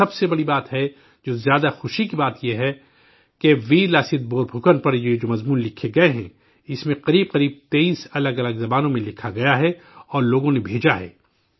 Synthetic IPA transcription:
ɐbsebɐɽibaːt̪ɦɛ | d͡ʒoːzjaːd̪axʊʃikibaːt̪jeɦɛ | keʋiːɾlaːsɪt̪̚boːɾbʱʊkənpɐɾjed͡ʒoːmɐzmuːnlɪkʰːeɡɐeɦɛ̰̃ | ɪsmẽqɐɾiːb̚qɐɾiːb̚t̪eiːsɐləɡɐləɡzɐbaːnõmẽlɪkʰaɡɐjaɦɛ | ɔːɾloːɡõnẽbʱeːd͡ʒaɦɛ̰ː

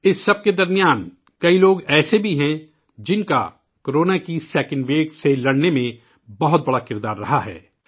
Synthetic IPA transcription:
ɪsːɐb̚ked̪ɐɾmɪjaːn | kɐiloːɡɛːsebʱiɦɛ̃ | d͡ʒɪnka̰ | koɾoːnakisɛːkɪ̃nʋeːɡselɐɽnemẽ | bɐɦʊt̪̚bɐɽakɪɾd̪aːɾːɐɦaɦɛ̰ː

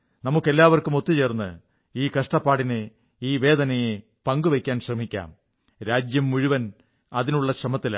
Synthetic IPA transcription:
nɐmukːelːaːʋɐrkumo̞t̪ːit͡ɕe̞ːrnːɨ | iːkɐʂʈɐpːaːɽinɨ | iːʋe̞ːd̪ɐnɐje | pɐŋɡuʋekʲːaːnɕrɐmikʲːa̰ːm | ɾaːd͡ʑjɐmːuɻuʋɐn | ɐðinuɭːɐɕrɐmɐt̪ːila̰

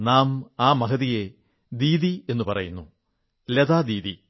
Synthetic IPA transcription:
naːmaːmɐkɐðije̞ | d̪iːðie̞nːupɐrɐjunːu | led̪aːd̪iːði

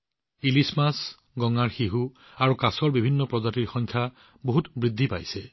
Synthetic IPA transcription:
ilismas | ɡɔŋaɹxiɦu | aɹukasɔɹbibʱinːɔpɹɔzatiɹxɔjŋkʰja | boɦutbɹid̪ʱːipa̰jsɛ

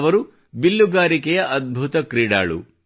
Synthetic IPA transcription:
ʋɐɾu | bilːuɡaːɾikɛjɐʔɐd̪̚bʱut̪ɐkɾiːɽa̰ːɭṵ

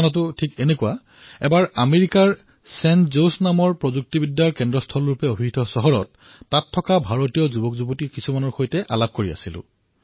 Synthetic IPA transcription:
nɔt̬ʊtʰikenekua | ɛbaɹameɹikaɹ | sɛnzosnamɔɹpɹozuk̚tibidjaɹkɛndɹɔstʰɔlɹupɛobʱitʰɔsɔɦɔɹɔtː | atʰːɔkabʱaɹotijɔzubɔkzubɔtikisumanɔɹxojtɛʔalab̚koɹia̰silʊ̰̃

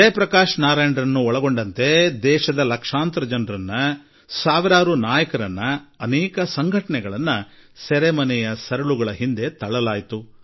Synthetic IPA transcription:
epɾɐkaːʂnaːɾeːɳɖɐɾɐnːuɔɭɐɡo̞ɳɖɐnt̪e̞d̪ɛːʃɐd̪ɐlɐkʂaːnt̪ɾɐd͡ʒɐnɾɐnːɐ | saːʋiɾaːɾunaːjɐkɐɾɐnːɐːnɛːkɐsɐŋɡʱɐʈɐɳɛɡɐɭɐnːɐsɛɾɛmɐnɛjɐsɐɾɐɭuɡɐɭɐɦind̪e̞t̪ɐɭɐlaːjt̪u

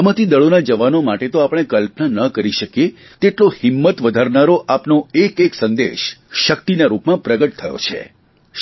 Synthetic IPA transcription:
amãt̪ʰid̪əɭonad͡ʒəʋanomaʈet̪oapəɽ̃ekəlpnanəkəɾiʃəkje | t̪eʈlohɪmːət̪ʋəd̪ʱaɾnaɾoʔapnoekeksənd̪ḛʃʃəkt̪inaɾupmãpɾəɡəʈ̚t̪ʰəjo̰t͡ʃʰḛ

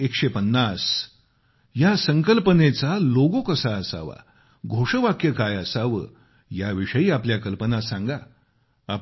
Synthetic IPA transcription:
ekʂepənːas | jasəŋkəlpənet͡saloɡokəsaːsa̰ʋa̰ | ɡʱoʂəʋakjəkajəsaʋə̰ | jaʋiʂəiːapljakəlpənasãŋɡaː | p

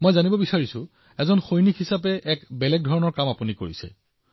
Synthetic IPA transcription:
mojzanibɔbisaɹisʊ | ɛzɔnxojnikɦisap̬ɛʔɛkbɛlɛɡ̚dʱɔɹɔnɔɹkamapuniko̰ɹisɛ̰

